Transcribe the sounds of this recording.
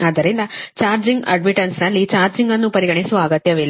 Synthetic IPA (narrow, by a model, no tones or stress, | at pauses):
aːd̪ɐɾind̪ɐt͡ʃaːɾd͡ʒiŋɡɐ̰ɖmiʈɐnsnɐlːit͡ʃaːɾd͡ʒiŋɡɐnːupɐɾiɡɐɳisuʋaːɡɐt̪ːjɐʋelː